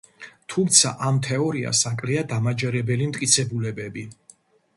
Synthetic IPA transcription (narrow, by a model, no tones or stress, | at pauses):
t̪ʰumt̪sʰa̰ʔamt̪ʰɛɔɾia̰saŋkʼliad̪amad͡ʒɛɾɛbɛlimt̪ʼkʼit̪sʰɛbulɛbɛbi